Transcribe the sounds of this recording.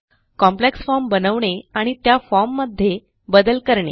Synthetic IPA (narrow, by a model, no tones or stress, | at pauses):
kɔ̃mpleksfɔɾmbənəʋɳeaɽ̃it̪jafɔɾmːəd̪ʱːje | bəd̪əlkəɾɳḛ